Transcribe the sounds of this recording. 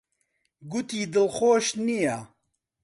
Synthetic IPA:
ɡut̪iːd̪ɨlxoːʃnija

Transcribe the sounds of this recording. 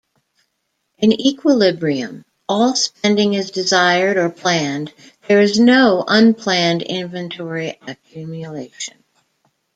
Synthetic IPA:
ʔɨ̃nikʰwəlɪbɹiɨ̰̃m | ɔlˠspɛ̃ndɪ̃ŋɨzdɨzaɪə˞ɾə˞pʰl̥æ̃n | ðə˞ɨznoʊʔʌ̃npʰl̥æ̃ndɪ̰̃ɱvɨ̃ntʰɔɹiʔɨk̚ʰj̥ʉmjɨleɪʃɨ̃n

